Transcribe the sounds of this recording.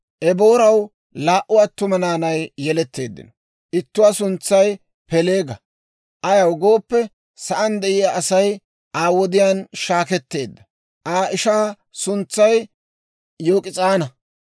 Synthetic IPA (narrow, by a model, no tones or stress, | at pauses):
ʔɛbo̞ːɾɐw | laːʔʊɐt̪ːʊmɐnaːnɐjːɛlɛt̪ːe̞ːd̪ːɪ̰nɔ | ʔɪt̪ːʊwasʊnt͡sːɐj | pɛle̞ːɡɐ | ʔɐjɐwɡo̞ːpːɛ | sɐʔɐnd̪ɛʔɪjaːsɐj | aːwɔd̪ɪjaːnʃaːkɛt̪ːe̞ːd̪ːɐ | ʔaːʔɪʃaː | sʊnt͡sːɐj | joːkʼɪt͡sʼaːnɐ